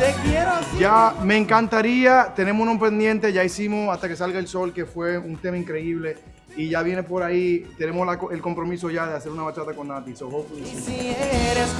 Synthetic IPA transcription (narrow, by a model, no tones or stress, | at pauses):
t̪ekjeɾod͡ʒame̞ŋkant̪aɾiat̪e̞ne̞monompe̞nd̪jẽ̞nt̪e̞ʝaisimosast̪ake̞salɡaelso̞lke̞fwe̞unt̪e̞maiŋkɾe̞iβle̞ | iʝaβje̞nepo̞ɾait̪e̞ne̞moslakoelko̞mpɾo̞miso̞ʝaðease̞ɾunaβat͡ʃat̪ako̞nːãt̪isoɦokuieɾes